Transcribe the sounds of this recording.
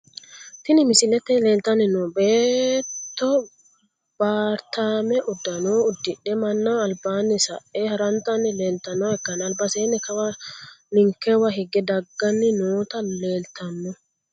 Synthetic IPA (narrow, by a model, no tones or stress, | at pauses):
t̪ɪnɪmɪsɪlɛt̪ːɛle̞ːlt̪ɐnːɪnobeːtt̪ːɔ | b̥aːɾt̪aːmɛʔʊd̪ːɐnoːʊd̪ːɪᶑɛmɐnːɐɐlbaːnːɪsɐʔehɐɾɐnt̪ɐnːɪleːlt̪ɐnːoɛkːɐnɐlbɐseːnːɛkɐwɐnɪŋkːɛwɐɦɪɡɛd̪ɐɡːɐnːɪnoːt̪ɐle̞ːlt̪ʰɐnːʊ